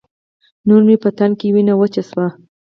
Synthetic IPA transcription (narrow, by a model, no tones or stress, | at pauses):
nuɾmepət̪ankewinawət͡ʃaswa